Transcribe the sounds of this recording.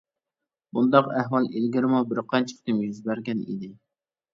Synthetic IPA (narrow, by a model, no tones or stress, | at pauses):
bund̪ɑqæhwɑlˠelɡʲiɾmubɪɾqʰɑnt͡ʃʰɪ̥χt̪ʰɪmʲizbæɾɡʲɛnḭd̪ɪ